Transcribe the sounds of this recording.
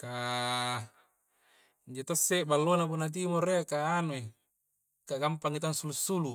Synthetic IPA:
ka | ɲd͡ʒot̪osːebalːonap̬unat̪̬imoreakaːnue | kaɡampaŋit̪aŋsulusːulu

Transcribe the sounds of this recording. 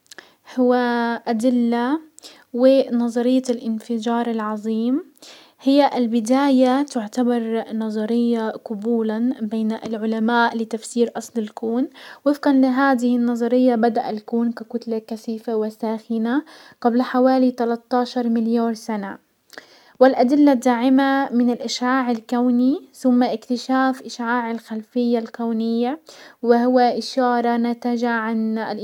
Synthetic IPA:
hʊwːaʔad̪ɪlːa | wɪnɑðˤɑɾɪjːalʔɪnfɪd͡ʒɑːɾˤɪlʕɑðˤiːm | hɪjːaʔɪlbɪd̪aːjat̪ʊʕt̪abɑɾˤnɑðˤɑɾɪjːaqʊbuːlanbeːnʔɪlʕʊlamaːʔlɪt̪afsiːɾʔɑsˤlɪlkuːnwɪfqanlɪɦaːd̪ɪhɪnːɑzˤɑɾɪjːabad̪aʔalkuːnkakʊt̪lakaθiːfawɪsaːxɪna | ɡablħawaːlit̪alɑt̪ːɑːʃɑɾˤmɪljaːɾsana | wɪlʔad̪ɪlːad̪aːʕɪmamɪnɪlʔɪʃʕaːʕɪlkawniθʊmːaʔɪkt̪ɪʃaːfʔɪʃʕaːʕɪlxalfɪjːalkawnɪjːawɪhʊwːaʔɪʃɑːɾˤɑnat̪aʒaʕanl

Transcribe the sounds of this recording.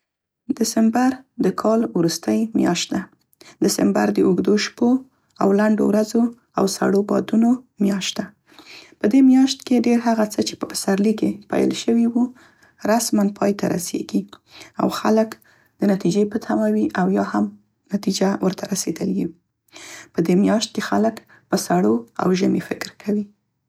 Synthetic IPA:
d̪ɪsɪmbaɾd̪əkʰɑlwɾust̪əjmjɑ̰ʃt̪̚d̪a | d̪ɪsɪmba̰ɾd̪əʔuɡd̪oʃpo | a̰wlaɳɖo̰wɾazo | awsa̰ɽobɑ̰d̪unomjɑʃt̪̚d̪a | pəd̪emjɑʃt̪keɖeɾɦaɣat͡sət͡ʃe̥pəbə̥saɾlikepa̰jə̰lʃəwiwu | ɾasmanpʰɑjt̪ʰaɾa̰sḛɡia̰wxalək | d̪̥ənat̪id͡ʒepət̪ʰamawiʔawjɑham | nat̪id͡ʒawəɾt̪ʰaɾased̪əljiw | pəd̪emjɑʃt̪̚kexalək | pəsaɽoa̰wʒəmifɪkɾkʰawi

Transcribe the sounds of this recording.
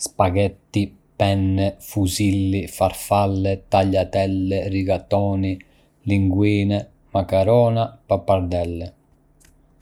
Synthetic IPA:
spaɡɛt̪ːi | pɛnːɛfuzilːifaɾfalːɛt̪aʎːat̪ɛlːɛriɡat̪ɔːni | liŋɡwiːnɛ | makaɾɔːnapapːaɾd̪ɛlːɛ

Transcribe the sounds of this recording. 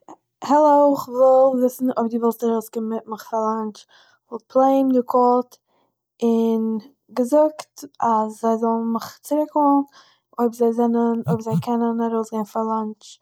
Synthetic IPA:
hɛlˠoʊɪχvɪlˠvɪsn̩obdɪvɔlˠstaɾoʊskɪmmɪt̚məχfɾalˠant͡ʃ | vɔlˠpʰlˠeɪmdɪkʰɔlt | ɪn | ɡəzʊktaszaɪzɔlˠn̩mɪχt͡sɪɾɪkhɔln | oɪbzaɪzɛnənoɪbzaɪkʰɛnənaɾoʊsɡeɪnfalˠant͡ʃ

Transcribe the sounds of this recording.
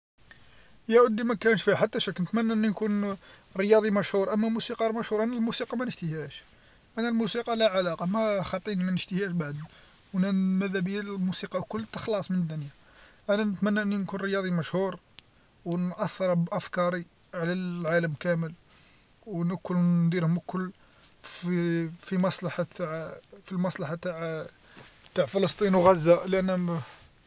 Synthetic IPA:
jæʕʊd̪ːimækænəʃfiħat̪ːæʃækːnət̪mænːæʔənːinkun | ɾəjɑd̪ˤimæʃhuɾˤʔəmːæmusiqɑɾmæʃhuɾˤʔænælmusiqɑmænəʃt̪ihæʃ | ʔænːælmusiqɑlæʕalɑqɑmæxɑt̪ˤːinimænəʃt̪əhæʃbaʕd̪ni | wʔænænmæðæbijæmusiqɑkʊlːt̪ːəxlɑsˤmənəd̪ːʊnja | ʔænænət̪mænːaʔənːinkunɾəjɑd̪ˤimæʃhuɾ | wnʔæθːɑɾˤbʔæfkɑɾˤi | ʕlæʕaləmkæməl | wnəkːʊlnd̪iɾhʊməkːʊlː | fifimɑsˤlɑħat̪aʕfilmɑsˤlɑħat̪aʕ | t̪aʕfələst̪ˤinwɣæzːæʔlʔənːæ

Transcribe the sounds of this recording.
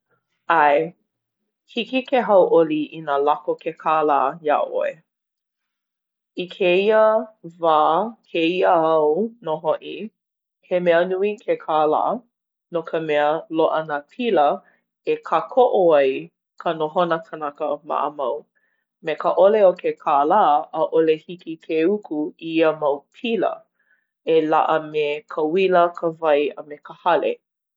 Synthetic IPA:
ʔaj | hikikeɦɐwʔoliʔinalakokʰekʰaːlaːja̰ʔo̰e | ikʰeiəvaːkʰeiəɐwnoɦoʔi | hemeənuikʰekʰala̰ː | nokʰəmɛəloʔɐnəpʰilə | ekʰakʰoʔoaj | kʰənoɦonəkʰənakəma̰ʔəmɐw | mekəʔoleokʰekʰaːlaʔəʔolehikikʰeukʰuiəmɐwpʰilə̰ | ela̰ʔəmekʰəwiləkʰəvɐjəmekəhɐlḛ

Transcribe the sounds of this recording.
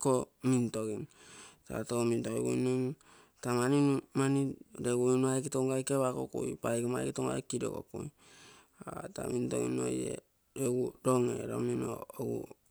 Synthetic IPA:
komintoɡinta̰tomintoiɡuinon | tamaninumanideɡuinuajkitoŋɡajkeβako̰kṵjpajkimajkitoŋɡa̰jkido̰ko̰kuj | ata̰minto̰ɡḭno̰jḛ | ɾeɡuɾoŋḛɾo̰mino̰oɡṵ

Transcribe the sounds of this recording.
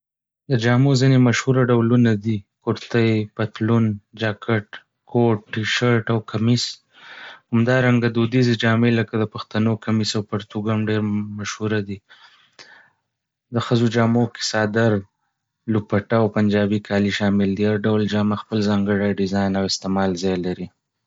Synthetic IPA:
d̪əd͡ʒɑmozinemaʃhuɾaɖawlunad̪ikʊɾt̪ajpat̪lund͡ʒɑkaʈ | kʰoʈ̚ːiʃaɾʈawkʰamis | hamd̪ɑɾaŋɡad̪od̪ized͡ʒɑmeləkad̪əpaxt̪anokamisawpaɾt̪uɡamɖeɾmaʃhuɾad̪i | d̪əxəzod͡ʒɑmokɪ̥sɑd̪aɾ | lupaʈawpand͡ʒɑbikʰɑliʃɑmɪld̪iaɾɖawld͡ʒɑmaxpəlzɑŋɡəɽajɖɪzɑjnawɪst̪emɑlzɑjlaɾi

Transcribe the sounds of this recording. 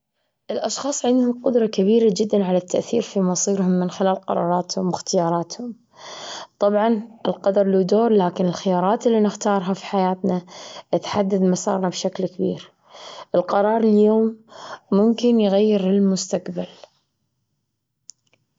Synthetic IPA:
ʔɪlʔɑʃxɑːsˤʕɪnd̪hʊmqʊd̪ɾˤɑkaβiːɾad͡ʒɪd̪ːanʕalat̪ːaʔθiːɾfimɑsˤiːɾhʊmːɪnxɪlaːlqɑ̰ɾˤɑ̰ːɾˤɑːt̪hʊmwɪxt̪ɪjɑːɾˤɑːt̪hʊm | t̪ˤɑbʕɑnʔɪlqɑd̪ɑɾˤlud̪oːɾˤlaːkɪnɪlxɪjɑːɾˤɑːt̪ɪlːinɪxt̪ɑːɾˤɦafi̥ħajaːt̪naʔɪt̪ħad̪ːad̪mɑsˤɑ̰ːɾˤnabʃaklkabḭːɾ | ʔɪlqɑɾˤɑːɾˤɪljoːmːʊmkɪnjɣajːɪɾɪlmʊst̪aqbal

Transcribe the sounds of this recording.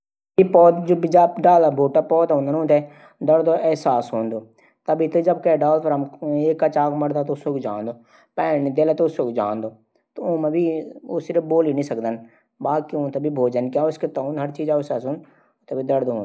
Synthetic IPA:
ipɔːt̪d͡ʒobid͡ʒaːɖaːlabʱoːʈapɔːt̪ɦõːnd̪ənõːt̪ʰe | d̪əɽd̪oʔɛɦsaːsɦõːnd̪oː | t̪ɐbʱit̪ɐd͡ʒɐb̚kɛɖaːlpʰɐɾɐmeːkːɐt͡ʃaːkmɐɽd̪at̪oʊsoːkd͡ʒaːnd̪oː | pɛːnid̪eːlaːt̪oʊsoːkd͡ʒãːnd̪oː | t̪oʊ̃mẽbʱiʊsɪɾəfboːlinĩsɐkd̪ən | baːkiʊ̃ːt̪ebʱibʱoːd͡ʒənkaːʊsket̪ũnɦɐɾt͡ʃiːzaɛsaːsɦõːn | t̪ɐbʱid̪əɽd̪oːɦõːn

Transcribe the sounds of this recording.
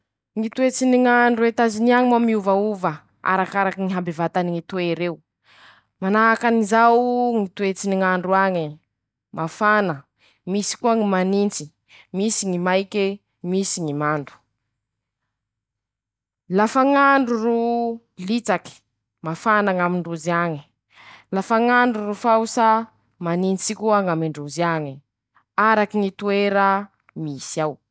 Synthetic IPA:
ŋit̪uet͡siniŋaɳɖ͡ʐuwet̪aziniaŋimamiuvauvə | a̰ɾakaɾakiŋiɦambevat̪aniŋit̪oiɾeu | manaːkanizawŋit̪uet͡siniŋaɳɖ͡ʐuaɲi | mafanə | misi̥kuaŋimanint͡si̥ | misiŋimajke | misiŋimand̪u̥ | lafaŋaɳɖ͡ʐuru | lit͡saki̥ | mafanaŋamiɳɖ͡ʐuziaŋi̥ | lafaŋaɳɖ͡ʐurufawsa | manint͡sikuaŋamiɳɖ͡ʐuziaɲi | aɾakiŋit̪ueɾa | misiaw

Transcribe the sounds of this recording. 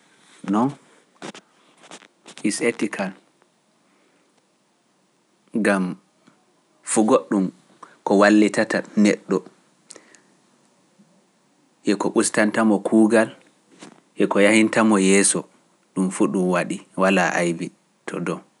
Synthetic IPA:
nɔn | isetikʰal | ɡam | fuɡoɗːum | kɔwalːitatanɛɗːɔ | ʔɛkɔɓustantamɔkʰuːɡal | ʔɛkɔjahintamɔjɛːsɔ | ɗumfuɗumwaɗiwalaʔa̰jbi | tʰɔ̰dɔ

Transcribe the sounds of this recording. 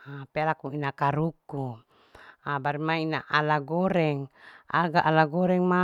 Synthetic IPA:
apealakuinakaɾuku | abaɾimainaʔalaɡoɾɛŋa̰ɡaʔːlaɡoɾɛŋma

